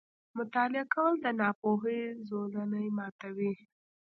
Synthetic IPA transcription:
mʊt̪ɑlɪakawəld̪ənɑpoɦezolanəjmɑt̪awi

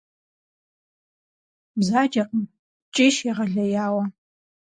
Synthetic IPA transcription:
bzaːd͡ʒɐqʼəm | t͡ʃʼɪːʃiʁɐɮɐjaːwɐ

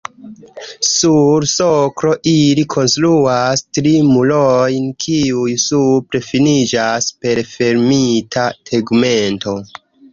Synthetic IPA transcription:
suɾsokɾo̞ʔilikʰo̞nstɾuastɾimulojnkʰiujsupɾe̞finid͡ʒaspe̞ɾfe̞ɾmitʰatʰeɡme̞nto̞

